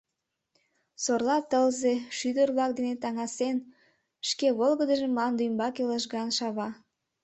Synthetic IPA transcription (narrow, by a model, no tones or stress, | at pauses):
sorlɑt̪əlzeʃyd̪ərβlɑk̚d̪enet̪ɑŋɑsen | ʃkeβolˠɣəd̪əʒemɑnd̪ujmbɑkeləʃɣɑnʃɑβɑ